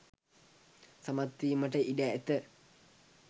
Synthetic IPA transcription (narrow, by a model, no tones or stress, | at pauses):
samat̪ːiːməʈəʔiɖæet̪ə